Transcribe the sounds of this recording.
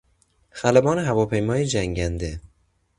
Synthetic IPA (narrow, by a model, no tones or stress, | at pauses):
xælæbɒːneɦævɒːpʰe̞jmɒːjed͡ʒæŋɟænd̪e